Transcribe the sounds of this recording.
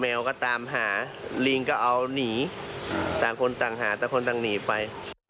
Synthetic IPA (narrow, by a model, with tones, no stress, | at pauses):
mɛː˧wkɔː˥˩t̪aː˨˧˦mɦaː˩˦ | liː˧ŋkɔː˥˩ʔa˧wniː˩˦ | t̪aː˨˩ŋkʰo˧nt̪aː˨˩ŋɦaː˩˦t̪aː˨˩kʰo˧nt̪aː˨˩ŋniː˨˩˦pa˧j